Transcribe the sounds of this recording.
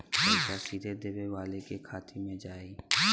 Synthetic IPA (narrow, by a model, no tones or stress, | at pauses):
kasiːd̪ʱed̪eːweʋaːlekekʰaːt̪ʰimẽd͡ʒaːi